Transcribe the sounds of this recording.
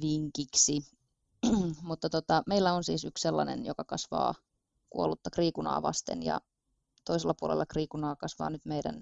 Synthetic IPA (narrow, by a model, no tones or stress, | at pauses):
ʋiŋkiksi | mut̪ːɑt̪ot̪ɑmeilːæonsḭːsyksselːɑnenjokɑkɑsʋɑ̰ː | kuolut̪ːɑkriːkunɑ̰ːʋɑ̰st̪ḛnjɑ̰ | t̪oiselːɑpuolelːɑkriːkunɑːkɑsʋɑ̰ːnyt̪meidæ̰n